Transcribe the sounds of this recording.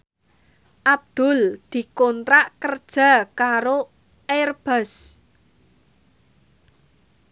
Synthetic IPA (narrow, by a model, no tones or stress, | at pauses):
ʔab̚d̪̥ʊ̤ld̪̥i̤kɔnt̪ɾaʔkərd̥ʒ̥a̤kaɾo | erb̥əs